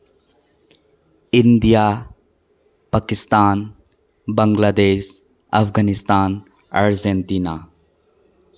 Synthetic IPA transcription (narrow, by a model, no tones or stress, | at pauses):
ɪnd̪ija | pakist̪aːn | bəŋɡlad̪eʃ | ɐ̰pɡanist̪aːna̰ɾd͡ʒent̪ina